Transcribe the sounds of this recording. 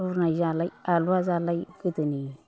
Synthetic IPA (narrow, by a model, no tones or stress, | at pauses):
unad͡ʒalaaluazalajkətəni